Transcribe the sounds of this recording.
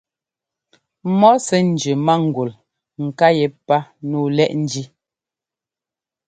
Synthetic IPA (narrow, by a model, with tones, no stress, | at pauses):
mɔ˦sɛ˦n̩˨d͡ʒʉ˨ma˦ŋ̩˨ɡwu˨l | ŋ̩˨ka˦jɛ˨pa˦nuː˦˨lɛ˦ʔn̩˦d͡ʒi˦